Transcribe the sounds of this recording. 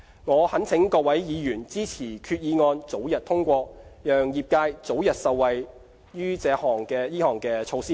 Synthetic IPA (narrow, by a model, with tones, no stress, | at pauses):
ŋɔː˨˧hɐ˨˥nt͡sʰɪ˨˥ŋkɔː˧k̚wɐ˨˥jjiː˨˧jyː˨˩nt͡siː˥t͡sʰiː˨˩kʰyː˧t̚jiː˨˧ŋɔː˧nt͡so˨˥wjɐ˨t̚t̪ʰʊ˥ŋkʷɔː˧jœː˨˩ŋjiː˨˩p̚kaː˧jt͡so˨˥wjɐ˨t̚sɐ˨wːɐ˨j | jyː˥t͡sɛː˨˧hɔː˨˩ŋkɛː˧jiː˥hɔː˨˩ŋkɛː˧t͡ʃʰo˧wsiː˥